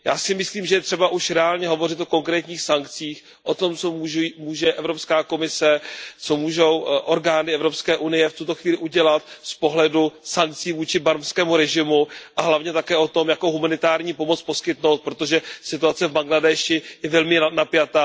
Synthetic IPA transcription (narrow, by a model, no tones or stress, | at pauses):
ja̰ːsɪmɪsliːmʒɛjɛt̪r̝̥ɛbaʔuʃɾɛaːlɲɛɦo̞vo̞rɪt̪ʔo̞ko̞ŋkɾɛːt̪ɲiːxsaŋkt͡siːx | ʔo̞t̪o̞mt͡somuːmuːʒɛʔɛvɾo̞pskaːko̞mɪsɛt͡somuːʒo̞wʔoɾɡaːnɪɛvɾopskɛːʔunɪjɛft̪ut̪o̞xviːlɪʔuɟɛlat̪spo̞ɦlɛdusaŋk̚t͡siːvuːt͡ʃɪbaɾmskɛːmuɾɛʒɪmuʔaɦlavɲɛt̪akɛːʔo̞t̪o̞mjakowɦumanɪt̪aːɾɲiːpo̞mo̞t͡spo̞skɪt̪no̞wt̪̚pɾo̞t̪o̞ʒɛsɪt̪uat͡sɛvbaŋɡladɛʃɪjɛvɛlmɪnapjat̪aː